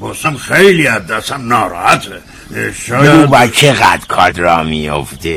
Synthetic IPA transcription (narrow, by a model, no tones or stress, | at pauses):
bosamxejliæd̪ːæsænːɒːɾɑ̰hæt̪ʰe | ʃːuːbæːt͡ʃʰeɣæd̪̥ɾkʰɒd̪ɾɒːmijo̰ft̪e